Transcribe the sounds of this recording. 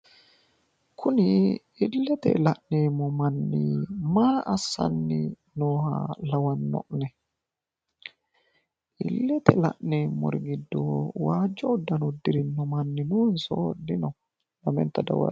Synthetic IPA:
kʰʊnɪ | ɪlːɛt̪ɛ̰lɐʔneːmɔmɐnːɪ̰maːʔɐsːɐ̰nːɪ | noːhɐ̰lɐwɐnːɔ̰ʔnɛ | ʔɪ̰lːɛt̪ɛlɐ̰ʔneːmːɔ̰ɾɡɪd̪ːo̰ːwaːd͡ʒːɔʊd̪ːɐnʊd̪ːɪɾɪnːɔmɐnːɪnuːnso̰d̪ɪnɔ | lɐmɛ̰nt̪ːɐd̪ɐ̰wɐ̰

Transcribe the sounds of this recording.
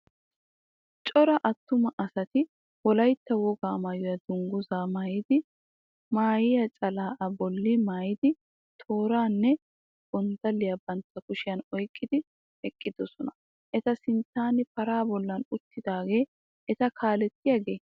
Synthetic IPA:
t͡ʃʼɔɾɐʔɐt̪ːʊmɐʔɐsɐt̪ɪ | wɔlɐjt̪ːɐwɔɡaːmɐjɔjɐd̪ʊŋɡʊzaːmaːjɪd̪ɪ | maːjɪjɐt͡ʃʼɐlaːʔɐbɔlːɪmaːjɪd̪ɪ | t̪ʰo̞ːɾaːnːɛ | ɡʊnd̪ɐlːɪjɐbɐnt̪ːɐkʊʃɪjɐnɔjkʼːɪd̪ɪ | ɛkʼːɪd̪ɔsɔnɐ̥ | ʔɛt̪ɐsɪnt̪ːaːnɪpɐɾaːbɔlːɐnʊt̪ːɪd̪aːɡe̞ː | ʔɛt̪ɐkʰaːlɛt̪ːɪjɐɡe̞ː

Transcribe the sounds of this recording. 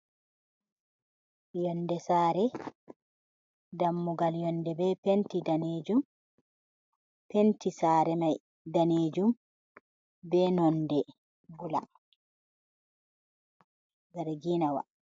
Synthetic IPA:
jɔndɛsaːɾɛ | damːuɡaljɔndɛbɛpentidaneːd͡ʒum | pentisaːɾɛmaj | daneːd͡ʒum | bɛnɔndɛ | bula | ɡaɾaɡinawa̰

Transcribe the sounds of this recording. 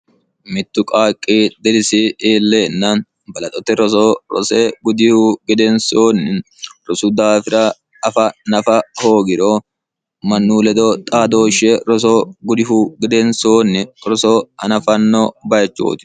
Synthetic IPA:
mɪt̪ːʊkʼaːkʼːiːd̪ɛlɪsɪiːlːeːnːɐ | bɐlɐt̪ʼɔt̪ːɛɾɔsoːɾɔ̰sɛɡʊd̪ɪhuɡɛd̪ɛnsoːnːɪ | ɾɔsud̪aːfɪɾɐ | ɐfɐnɐfɐho̞ːɡɪɾo | mɐnːuːlɛd̪ot̪ʼaːd̪o̞ːʃɛɾɔs̬oɡʊd̪ɪhuɡɛd̪ɛnsoːnːɪɾɔsoːhɐ̰nɐfɐnːobɐjɐt͡ʃːo̰ːt̪ɪ̥

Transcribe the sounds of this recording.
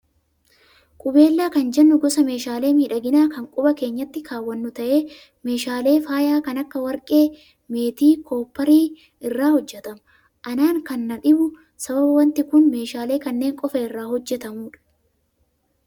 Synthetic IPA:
kʼʊbe̞ːlːaːkɐnd͡ʒɛnːʊɡɔsɐme̞ːʃaːle̞ːmiːᶑɐɡɪnaːkɐŋkʼʊbɐke̞ːɲːɐt̪ːɪkʰaːwːɐnːʊt̪ɐʔe̞ː | me̞ːʃaːle̞ːfaːjaːkɐnɐkːɐwɐɾkʼe̞ː | me̞ːt̪iːkʰo̞ːpːɐɾiː | ɪrːaːhɔd͡ʒːɛt̪ɐmʊ | ʔɐnaːŋkɐnːɐᶑɪbʊ | sɐbɐbɐwɐnt̪ɪkʊnme̞ːʃaːle̞ːkɐnːe̞ːŋkʼɔfɐɪrːaːhɔd͡ʒːɛt̪ɐmuːᶑɐ̥

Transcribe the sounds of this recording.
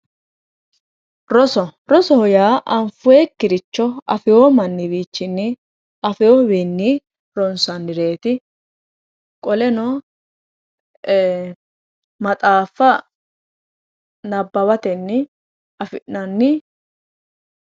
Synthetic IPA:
ɾɔsɔɾɔsɔhɔjaːʔɐɱfʊekːɪɾɪt͡ʃːɔɐfɪjoːmɐnːɪbiːt͡ʃːɪnːɪ | ʔɐfɪjobɛnːi | ɾɔnsɐnːɪɾeːt̪ɪ | kʼɔlɛnɔ | mɐt̪ʼaːfːɐ | nɐbːɐβɐt̪ɛnːɪ | ɐfɪnːɐnːɪ

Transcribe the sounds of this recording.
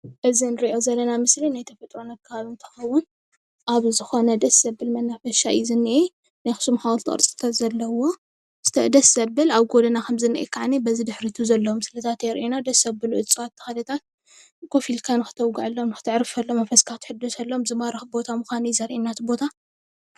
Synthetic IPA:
ʔɨzinɨɾiʔo̞zɐlːɐnamɨslinajt̪ʰɐfɐt̪ʼɾo̞nakʰːɐβaβint̪ʰɐ̥xɐwːʊn | ʔaβzɨxo̞nɐd̪ɐsːɐbːɨlmɐnːafɐʃa̰jizɨnːɨʔe | najxɨ̥ʃɨmxawɐlt̪ʰɨkʼɨ̰ɾt͡sʼɨ̥t̪ʰat̪zɐlːɐwo̞ | sɨ̥t̪ʰɐd̪ɐsːɐbɨlaβɡod̪ɐnakʰɐmzɨnːɨʔḛkʰaʕnibɐzid̪ɨħɾit̪ʰuzɐlːɐmsɨlɐt̪ʰat̪jɛɾʔenad̪ɐsɐbɨluʔɨt͡sʼɨwat̪ʰːɐ̥xad̪ɐt̪ʰat̪̚ | kʰo̞filkʰanɨxɨ̥t̪ʰɐwɡaʕalːomnɨxɨ̥t̪ʰɨʕɾɨfɐlːomɐfɐskʰaxt̪ʰħɨd̪ːosɐlːomzɨmaɾɨxbo̞t̪ʰamuxanizɐɾʔinːat̪ʰbo̞t̪ʰa

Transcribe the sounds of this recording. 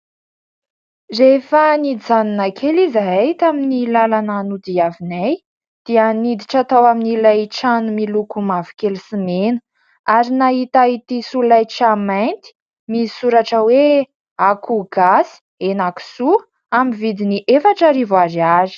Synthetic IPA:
refanid̪izaninakʰelizaajt̪aminilalananud̪iavinaj | d̪̥ianid̪iʈ͡ʂat̪awaminilajʈ͡ʂanumilukumavi̥kelsimenə̥ | aɾinaɦit̪ait̪isulajʈ͡ʂamajnt̪i̥ | misuɾaʈ͡ʂəwe | akuɡasi̥ | enaki̥su | amivid̪iniʔefaʈ͡ʂaɾivaɾiaɾi̥

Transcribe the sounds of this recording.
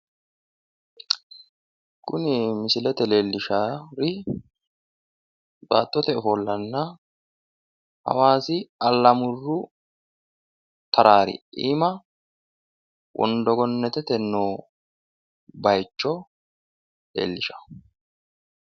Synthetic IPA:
kʊnɪmɪsɪlɛt̪ɛle̞ːlːɪʃaɾɪ | ba̰ːt̪ːɔt̪ɛɔfɔlːɐnːɐ | hɐ̰waːsɪɐlːɐmʊrːʊ | t̪ʰɐɾaːɾɪ̰ḭːmɐ | wʔɔ̰nd̪ɔɡɔnːɛt̪ɛt̪ɛnːoː | bɐjt͡ʃːɔ | lḛːlːɪʃɐ̥

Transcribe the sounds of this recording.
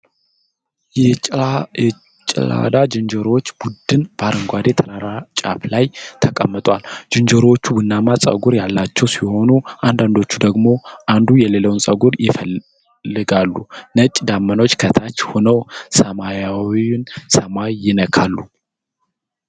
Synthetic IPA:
jɛ | t͡ʃʼla̰d̪ad͡ʒɨnd͡ʒəɾot͡ʃːb̥ud̪ɨnb̥aɾɨŋɡʷad̪e̞t̪ʰəɾaɾat͡ʃʼa̰plajt̪ʰəkʼəmːɨt̪ʼwald͡ʒɨnd͡ʒəɾot͡ʃːubɨnːamasʼə̰ɡuɾjalːat͡ʃːɛwsiho̞nuʔand̪and̪o̞t͡ʃːud̪əɡmo̞ʔand̪ujɛleləwnsʼəɡuɾjɪfəlː | ɨɡalːunət͡ʃʼd̪amːəno̞t͡ʃːkʰət̪ʰat͡ʃːhonəwsəmajawinsəmajːɪnəkʰalːu

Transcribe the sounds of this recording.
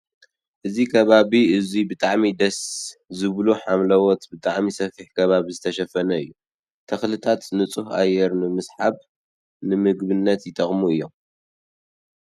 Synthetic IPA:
ʔɨzikʰɐβaβiɨzibɨt̪ʼaʕmid̪ɐszɨβloħamlɐwɔt̪bɨt̪ʼaʕmisɐfiħkʰɐβaβizɨt̪ʰɐʃɐfɐnɐɨjːu | t̪ʰɐxlɨt̪ʰat̪nɨt͡sʼuha̰jːɛɾnɨmɨsħaβ | nɨmɨɡbɨnːɐt̪jɪt̪ʼɐχʼmuɨjːom

